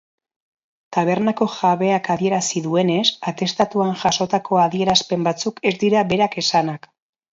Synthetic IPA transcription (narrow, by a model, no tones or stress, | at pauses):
t̪aβ̞e̞ɾnako̞ʝaβe̞akaðie̞ɾasiðue̞ne̞sat̪e̞st̪at̪uanʝaso̞t̪akʰo̞aðie̞ɾaspe̞mbat͡suke̞zd̪iɾaβe̞ɾake̞sanak